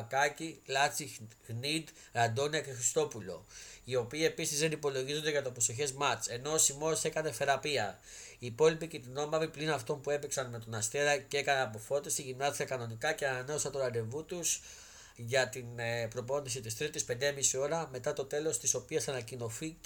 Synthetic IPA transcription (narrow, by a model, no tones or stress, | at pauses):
kɐcilɐt͡siɣnid̪ | ɐnd̪o̞niɐkexɾist̪o̞pulo̞̰io̞piːe̞pisizðe̞nipo̞lo̞ʝizo̞nd̪eʝɐt̪opɾo̞so̞çe̞zmɐt͡se̞no̞simo̞se̞kɐne̞fe̞ɾɐpiɐ | iːpo̞lipicet̪ino̞mɐviplinɐft̪o̞npue̞piksɐnme̞t̪o̞nɐst̪eɾɐceekɐnɐnɐpo̞fo̞t̪ist̪iʝimnɐzikɐkɐno̞nikɐceɐnɐne̞o̞sɐnt̪olɐd̪e̞vut̪us | ʝɐt̪inpɾo̞p̬o̞nisit̪ist̪ɾit̪ispe̞nd̪emisio̞ɾɐme̞t̪ɐt̪o̞t̪e̞lo̞st̪iso̞piɐsɐnɐcino̞fi